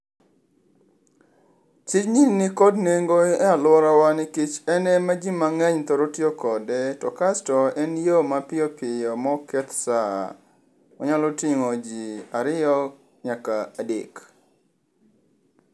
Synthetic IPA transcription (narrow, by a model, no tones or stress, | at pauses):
t͡ʃɪt͡ʃɲinnɪkɔdneŋɡoɛalʊwɔɾawanɪkɪt͡ʃɛnɛmad͡ʒimaŋɛɲt̪ɔɾotjokɔdɛtɔkastɔɛnjomapɪɔpɪjɔmɔkɛt̪sa̰ | ɔ̰ɲalɔtɪŋod͡ʒiaɾɪjɔ | ɲakadɪ̰k